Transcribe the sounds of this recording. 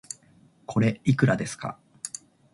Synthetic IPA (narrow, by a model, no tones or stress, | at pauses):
kʰo̞ɾe̞ikɯ̟ɾad̪e̞sɨ̥ka̰